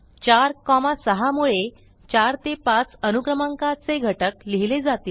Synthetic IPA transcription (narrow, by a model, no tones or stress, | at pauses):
t͡ɕaɾkɔmasəɦamuɭe | t͡ɕaɾt̪epat͡sənukɾəmaŋkat͡seɡʱəʈəkliɦiled͡zat̪iːl